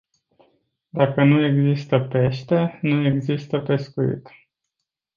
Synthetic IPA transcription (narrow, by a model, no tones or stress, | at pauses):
d̪akənue̞ɡzist̪əpe̞ʃt̪e̞nue̞ɡzist̪əpe̞skuḭt̪